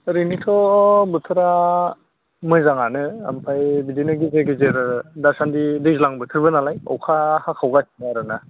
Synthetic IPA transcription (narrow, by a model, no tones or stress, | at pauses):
ɾinitʰɔbɯtʰɯɾa | mɯjzaŋanɯa̰mpʰajbidinɯɡizeɡizeɾdasandidɯzlaŋbɯtʰɯɾbɯnalajɔ̰wkʰahakʰawɡasinaɾɯna